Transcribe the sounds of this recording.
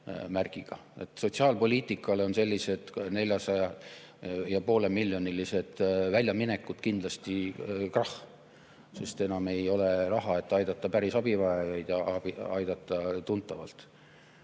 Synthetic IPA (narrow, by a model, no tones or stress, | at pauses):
mærɡ̥iɡ̥ɑ̰e̞̰t̪ːˑso̞t̪ʲsiɑːlpo̞lʲiːt̪ˑikːˑɑleo̞nse̞lʲːise̞d̪̥ne̞lʲjɑsɑjɑ | jɑpo̞ːle̞milːjo̞nilise̞d̪̥vælʲjɑmine̞kːˑud̪̥kind̪lɑst̪ikrɑh | se̞st̪e̞nɑme̞jo̞lerɑɦɑe̞t̪ːˑɑjd̪̥ɑt̪ːˑɑpæɾisɑbivɑejɑjd̪̥jɑɑbiɑjd̪̥ɑt̪ˑːɑt̪unt̪ːˑɑvɑ̰lt̪